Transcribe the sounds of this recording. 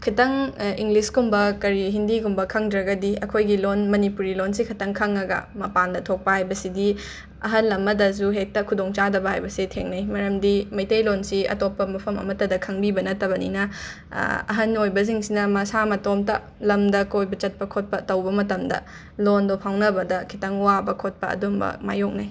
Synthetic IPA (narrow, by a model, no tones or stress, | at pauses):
kʰitɐŋiŋɡliskumbɐkɐɾiɦindiɡumbɐkʰɐŋdɾɐɡɐdiɐkʰojɡilonmɐnipuɾilonsikʰɐtɐŋkʰɐŋːɐɡɐ̰mɐpandɐtʰok̚pɐhajbɐsidi | ɐ̰ɦɐnlɐmɐdɐs̬uɦek̚tɐkʰudoŋt͡ʃadɐbɐɦajbɐsitʰeŋnɐjmɐɾɐmdimɐjtɐjlonsiɐ̰topːɐmɐpʰɐmɐ̰mɐtːɐdɐkʰɐŋbibɐnɐtːɐbɐnḭnɐ | ɐ̰ɦɐnojbɐziŋsinɐmɐsamɐtomtɐ̰ | lɐmdɐkojbɐt͡ʃɐt̚pɐkʰot̚pɐtɐwbɐmɐtɐmdɐ̰ | londopʰawnɐbɐdɐkʰitɐŋuwabɐkʰot̚pɐ̰ɐ̰dumbɐ̰ma̰jok̚naj